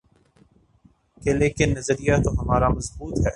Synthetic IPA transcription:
keleːkɪnːɐzɾijat̪oɦɐmaːɾamɐzbuːt̪ɦɛː

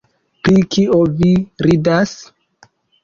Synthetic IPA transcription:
pɾikioviɾidas

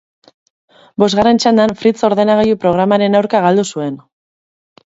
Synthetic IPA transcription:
bo̞zɣare̞nt͡ʃand̪anfɾit͡so̞ɾðe̞naɣajupɾo̞ɣ̞ɾamaɾe̞nawɾkaɣald̪usue̞n

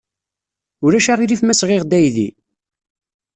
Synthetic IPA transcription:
ʊɾæʃaʁiɾifmæsʁɪʁd̪æjðḭ

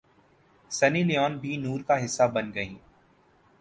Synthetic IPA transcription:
sɐnilɪjɔːnbʱinuːɾkaɦɪsːabɐnɡɐĩː

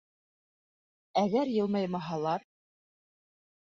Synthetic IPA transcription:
æɣæɾjɤ̆lˠmɑjmɑɦɑlˠɑɾ

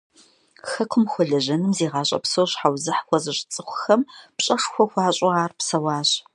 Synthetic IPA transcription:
xɐkʷʰʊmxʷɔɮɐʑɐnɨmzeːʁɑːɕʼɐ̰psowɕħawzɨħxʷɔzɨɕʼt͡sʼɨxʷʊxɐmpɕʼɐʂxʷɔxʷɑːɕʼʊaːrpsɐwɑːɕ

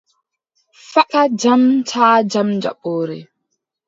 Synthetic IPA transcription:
fakad͡ʒamtʰaːd͡ʒamd͡ʒa̰ɓoːɾɛ̰

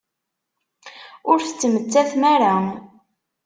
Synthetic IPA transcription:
ʊɾθət͡sːmət͡sːæθmæɾa

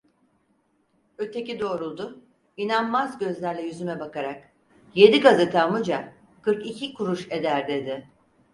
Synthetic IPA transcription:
øt̪ʰe̞cid̪o̞ːɾulˠd̪ʊ | inanmazɟø̞zlʲæɾlʲɛjyzymɛbakaɾak̚ | je̞d̪iɡazɯt̪ʰamɯd͡ʒa | kɯɾkicʰikʰuɾuʃe̞d̪æɾd̪e̞d̪ɪ

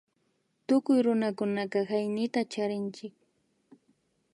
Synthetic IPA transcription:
t̪ʊkʊjɾʊnakʊnakɑhajnɪt̪at͡ʃaɾɪnt͡ʃɪk̚

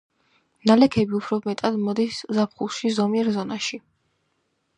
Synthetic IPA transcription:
nalɛkʰɛbiupʰɾɔmɛt̪ʼad̪mɔd̪iszapʰχulˠʃizɔmiɛɾzɔnaʃi

